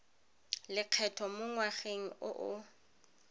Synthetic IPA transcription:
lɪq͡χʰɛtʰɔmʊŋwaχeŋ̩ʊʔʊ

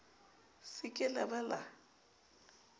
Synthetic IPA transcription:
sɪkʼɪlɛbɛla

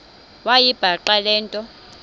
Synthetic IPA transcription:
wajib̥ʱaǃalɛːntʼɔ

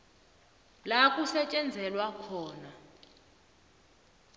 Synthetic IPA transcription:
lakʼusɛt͡ʃʼɛnd͡zʱɛlwakʰɔːna

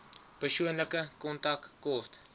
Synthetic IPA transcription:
pərsuənləkəkɔntɐkkɔrt

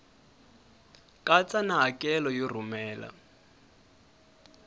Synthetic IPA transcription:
kʼat͡sanaɦakʼɛlɔjirumɛːla̰

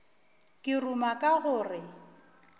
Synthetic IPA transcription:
kʼɪrumakʼaɣʊːrɪ

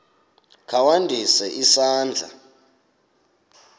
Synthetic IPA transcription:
kʰawandʱisɛʔisaːnd͡ɮʱa̰

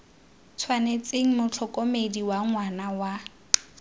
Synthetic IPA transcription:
t͡sʰwanet͡sʼeŋ̩mʊt͡ɬʰɔkʼomediwaŋwanawa

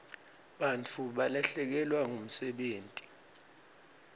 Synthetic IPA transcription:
ɓant͡fʰuɓalaɬɛk̬ɛlwaŋum̩sɛɓeːntʼi̥

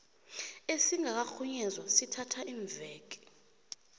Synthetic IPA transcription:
esiŋak̬axuɲɛzwasitʰatʰaʔiːɱvɛːk̬ɛ̥

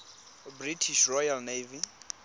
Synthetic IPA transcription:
britʰiʃrɔjalnevi

